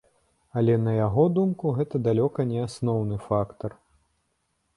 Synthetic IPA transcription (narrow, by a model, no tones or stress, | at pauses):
ɐlʲɛnɐjaɣɔd̪umkuɣɛt̪ɐd̪alʲɔkɐnʲɛasnɔwnɨfakt̪ɐr